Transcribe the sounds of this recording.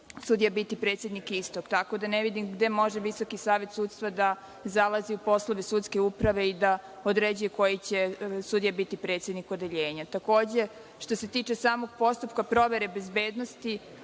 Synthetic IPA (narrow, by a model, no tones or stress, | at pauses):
sud̪ijabit̪ipɾeːt̪sjed̪nikist̪o̞kt̪ako̞d̪aneʋid̪imɡd̪e̞mo̞ʒeʋisokisaːʋe̞t̪sut̪st̪ʋad̪a | zalˠaziupo̞slˠoʋesut̪ske̞upɾaʋe̞id̪a | od̪ɾed͡ʑujeko̞jit͡ɕe̞sud̪ijabit̪ipɾeːt̪sje̞d̪niko̞d̪e̞ʎeːɲat̪ako̞ːd͡ʑe̞ | ʃt̪o̞se̞t̪iːt͡ʂesaːmo̞ɡpo̞st̪upkapɾo̞ʋe̞ɾebezbeːd̪nost̪i